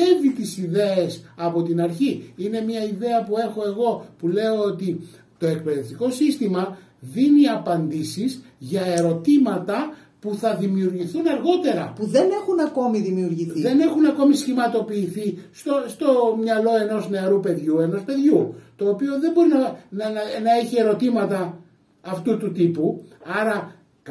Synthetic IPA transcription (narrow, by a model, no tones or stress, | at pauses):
evit̪isiðe̞esɐpo̞t̪inɐɾçiine̞mɲɐiðe̞ɐpue̞xo̞e̞ɣo̞pule̞o̞ot̪i | t̪o̞e̞k̚pe̞ðe̞ft̪iko̞sist̪imɐ | ðiniɐpɐnd̪isizʝɐe̞ɾo̞t̪imɐt̪ɐ | puθɐðimiuɾʝiθunɐɾɣo̞t̪e̞ɾɐpuðe̞nexunɐko̞miðimiuɾʝiθiðe̞ne̞xunɐko̞misçimɐt̪o̞piːθist̪ost̪o̞mɲɐlo̞e̞no̞zne̞ɐɾupe̞ðʝue̞no̞spe̞ðʝut̪o̞ːpio̞ðe̞mbo̞ɾinɐnnɐe̞çie̞ɾo̞t̪imɐt̪ɐː | ft̪ut̪ut̪ipuɐɾɐ